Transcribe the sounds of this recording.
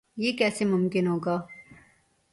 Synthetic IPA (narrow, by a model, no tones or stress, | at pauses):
jeːkɛːsemʊmkɪnɦoːɡaː